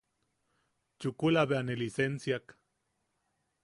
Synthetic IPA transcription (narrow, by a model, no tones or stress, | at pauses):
t͡ʃukulaβeanelisensjak